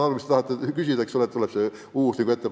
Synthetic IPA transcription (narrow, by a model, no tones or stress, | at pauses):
ɑrʋist̪et̪ɑhɑt̪ːˑekysid̪æeksolet̪ːolepse | uːsnʲiːkuet̪ːep